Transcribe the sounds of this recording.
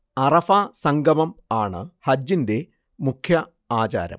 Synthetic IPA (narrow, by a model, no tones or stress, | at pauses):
ɐrɐfasɐŋɡʱɐmɐmaːɳɨhɐd͡ʑːinde̞ | mukʰjɐ | aːt͡ɕa̰ːɾɐ̰m